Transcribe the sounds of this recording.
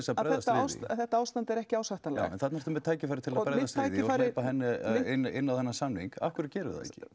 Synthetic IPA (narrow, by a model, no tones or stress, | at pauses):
ɛsapɾɛjðɛðast̪ːawsθɛht̪aaːwst̪ant̪ɛɾɛhcɪaːwsaht̪anla̰ɛ̰nθat̪naɾ̥t̪ʏmɛðt̪ʰaːjcɪfajɾɪt̪ʰɪlaðpɾɛjððast̪ʰːɪaːjðɪfaːleɪjpaɦɛnːɪɪnːɪnːawhɛnːasanːiŋka̰fkʏɾ̥t̪̚cɛːɾʏ̰ða̰ðɛ̰cɪ̥̰